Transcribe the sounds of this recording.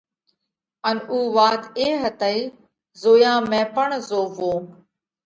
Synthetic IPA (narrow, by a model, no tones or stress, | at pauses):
ənuːʋaːt̪eːɦət̪əiː | zoːjãːmẽːpəɳzoːʋoː